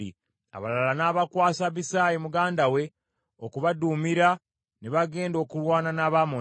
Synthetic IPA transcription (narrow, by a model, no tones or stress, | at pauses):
ḭ | a̰βa̰lalanaːβakwaːsaβisaːjemuɡaːndawe̞ | okuβadumiɾa | neβaɡe̞ːndo̞ːkulwaːnanaːβamo